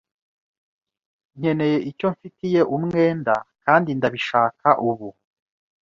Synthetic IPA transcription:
ɲ̥e̞ne̞je̞ʔico̞ɱfitije̞ʔumŋe̞ːndakaːndindaβiʃaːkʰaʔuβu

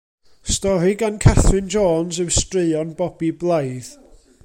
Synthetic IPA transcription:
stɔɾiɡankʰɛθwɨnd͡ʒoːnzəwstrɨɔnbɔbiblˠajð

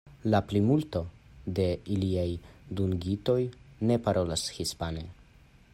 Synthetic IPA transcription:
laplimulto̞de̞iliajduŋɡito̞jne̞paɾo̞lashispane

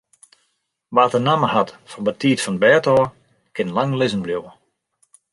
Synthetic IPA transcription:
ʋaːtənaməɦatfɔnbətiːtfɔnbɛːtɔː | kɪnlaŋlɪzənbljuwə

